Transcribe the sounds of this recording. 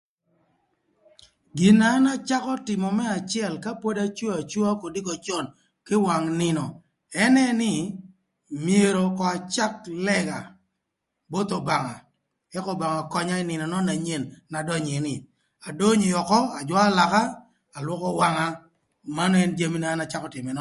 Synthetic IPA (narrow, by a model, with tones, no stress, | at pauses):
ɡɪ˨na˦na˦t͡ʃa˦kɔ˦tɪ˨mɔ˨mɛ˦a˨t͡ʃɪ˦ɛ˦˨lka˦po˦da˦t͡ʃo˦a˨t͡ʃwo˦a˦ko˨di˦kɔ˨t͡ʃɔ˦˨n | kɪ˦wa˨ŋnɪ˨nɔ˨ | ɛ˦nɛ˦nɪ˦ | mje˨ɾo˨kɔ˨a˨t͡ʃa˦klɛ˦ɡa˨ | bo˦t̪o˨ba˨ŋa̰˨ | ɛ˦kɔ˦ba˨ŋa˨kɔ˦ɲa˦ɪ˦nɪ˨nɔ˨nɔ˦na˨ɲe˨nːa˨dɔ˦ɲe˨nɪ˨ | a˨do˦ɲ˨jɔ˨kɔ˦a˨d͡ʒwɔ˦a˦la˨ka˦ | a˨lwɔ˦kɔ˦wa˦ŋa˦ | ma˦n˦ɛ˦nd͡ʒa˦mi˦na˨˦na˨t͡ʃa˦kɔ˦tɪ˨mɛ˨nɔ˦